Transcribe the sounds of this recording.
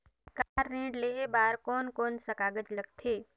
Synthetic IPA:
kaːɾːĩːɽleebaːɾkɔːnkɔːnsəkaːɡəd͡ʒləɡt̪ʰeː

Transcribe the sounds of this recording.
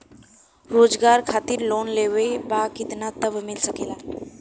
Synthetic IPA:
ɾod͡zɡaɾkʰat̪iːɾlonleʋebakit̪nat̪əbmɪlsəkela

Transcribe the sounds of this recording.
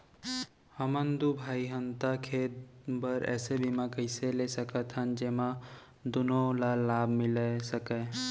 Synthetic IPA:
həmənd̪ubʱaːiɦənt̪akʰeːt̪̚bəɾɛ̰ːsebimakəɪselesəkət̪ɦənd͡ʒeːmã | d̪ʊnõlalːaːbʱmɪlesəke

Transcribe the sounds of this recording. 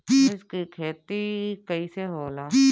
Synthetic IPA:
ɪskikʰeːt̪ikəiseɦoːlaː

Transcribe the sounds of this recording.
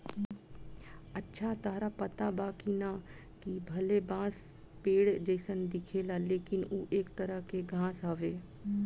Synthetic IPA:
ətːʃʰat̪aːɾapət̪abaːkina | kibʱɐlebãːs | peːɽd͡ʒeːsənd̪ɪkʰelaleːkɪnuːʔeːkt̪əɾəɦkeɡʱãːsɦaʋeː

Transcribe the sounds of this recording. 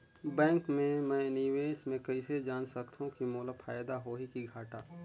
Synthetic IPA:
bɛ̃ːŋkmẽmɛ̃ːniːʋeːsmẽkɐised͡ʒaːnsɐkt̪ʰaɦũkimoːləfʰaːjd̪aɦoːɦikiɡʱaːʈaː

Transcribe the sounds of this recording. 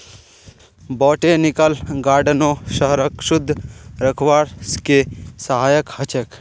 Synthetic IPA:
bɔːʈenɪkəlɡaːɾɖənoːʃəɦɾəkʃʊd̪ʱːɾəkʰʋaːɾskesəɦaːjəkhɐt͡ʃək

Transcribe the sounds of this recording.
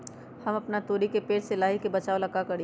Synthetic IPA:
hɐmɐpnat̪oːɾikepeːʈsɪlaːɦikebɐt͡ʃaːolɐɡakɐɽi

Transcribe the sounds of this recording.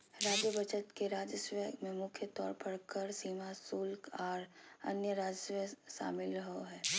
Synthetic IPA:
ɾaːd͡ʒjəbət͡ʃət̪keɾaːd͡ʒəswəmẽmʊkʰjət̪ɔ̰ːɾpɐɾkəɾsiːmasuːlkɔːɾɐ̰njəɾaːd͡ʒəswəʃa̰ːmɪlɾəɦoɦɛː

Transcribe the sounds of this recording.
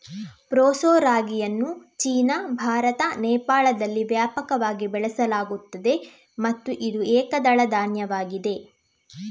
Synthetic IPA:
pɾoːsoːɾaːɡijɐnːut͡ʃiːnɐbʱaːɾɐt̪ɐnɛːpaːɭɐd̪ɐlːiʋjaːpɐkɐʋaːɡibɛɭɛsɐlaːɡut̪ːɐd̪e̞ | mɐt̪ːuʔid̪uɛːkɐd̪ɐɭɐd̪aːnjɐʋaːɡid̪e̞

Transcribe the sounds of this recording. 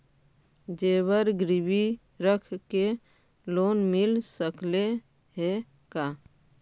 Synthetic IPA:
d͡ʒeːbəɾɡɾɪbi | ɾəkʰke | loːnmɪlsəkle | ɦe | ka

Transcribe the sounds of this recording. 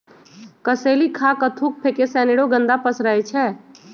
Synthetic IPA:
kəseːlikʰakət̪ʰuk̚pʰekesɛːneɽoɡə̃nd̪apəsɾəet͡ʃʰɛː

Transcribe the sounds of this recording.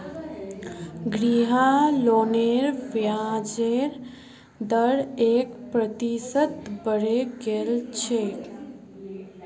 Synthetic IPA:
ɡɾiɦaloneɾʋjad͡ʒeɾ | d̪əɾeːkpɾət̪isət̪bəɾeɡelt͡ʃʰe

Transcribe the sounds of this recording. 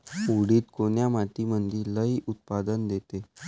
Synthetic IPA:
uɽiːt̪koɳjamat̪imənd̪ʱiːləiʔut̪̚pad̪ənd̪et̪e

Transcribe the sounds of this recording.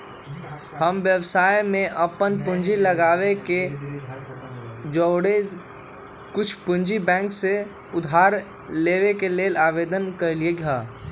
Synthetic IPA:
həmʋjəwsaːjmẽʔəpənpʊ̃ɲd͡ʒiləɡaːweke | d͡ʒɔːɽed͡ʒ | kʊt͡ʃʰpʊ̃nd͡ʒibɛ̃ːŋkse | ʊd̪ʱaːɾ | leːwekeleːlaːʋeːd̪ənkəɾlieɡʱaː

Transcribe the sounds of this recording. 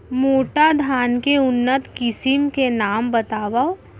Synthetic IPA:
moːʈad̪ʱaːnkeʊnːət̪kɪsɪmkenaːmbɐt̪aːʋao

